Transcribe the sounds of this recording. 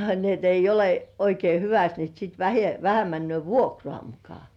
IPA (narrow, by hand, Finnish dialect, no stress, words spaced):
ni et ei ole oikei hyʋæst ni sit ʋæhe ʋæhæ mænːy̆øˑ ʋuokrŏɑˑ mukɑ